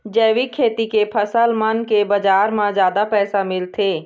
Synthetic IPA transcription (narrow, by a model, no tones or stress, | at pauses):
d͡ʒɛːʋikʰːeːt̪ikepʰəsəlmənkebəd͡ʒaːɾmãd͡ʒjaːd̪apɛːsamɪlt̪ʰeː